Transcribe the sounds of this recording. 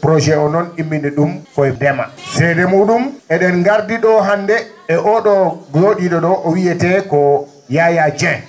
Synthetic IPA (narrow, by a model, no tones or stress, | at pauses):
pɾɔd͡ʒɛɔnɔnimːinɛɗumkɔɛdɛma̰sɛjdɛmuːɗumɛɗɛnŋɡaɾdiɗɔɦandɛ | ɛʔɔɗɔɡloɗiɗɔɗɔʔɔwiɛtɛkɔ | jajad͡ʒɛ